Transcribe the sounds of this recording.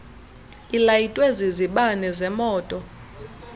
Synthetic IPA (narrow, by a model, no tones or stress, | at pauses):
ilajitʼweziziɓanɛzɛmɔːtʼɔ